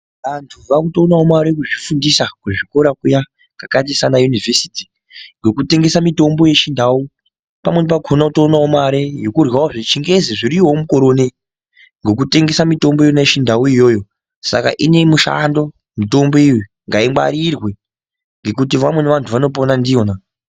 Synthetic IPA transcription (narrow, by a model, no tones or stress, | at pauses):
ʋantʰuʋakutonaomaɾek̬uʐifundisakuʐiko̞ɾakuja | kɡakat̬isanajunivʱesi̥ti̥ | ŋɡe̞kute̞ŋɡe̞samito̞mbo̞je̞ʃindau | pamwe̞nipakʰonautoːnawomaɾejo̞kurwawoʐit͡ʃiŋɡeziʐiɾiwomukoɾo̞ːne | ŋɡo̞k̬ute̞ŋɡe̞samito̞mbojoneʃindauijo̞ːjo | sa̰ka̰ʔine̞muʃa̰ndo̞ | mito̞mbo̞iju | ŋɡaimba̰ɾirwe̞ | ŋɡe̞k̬ut̬iʋamwe̞neʋantʰuʋano̞p̬onandijo̞ːna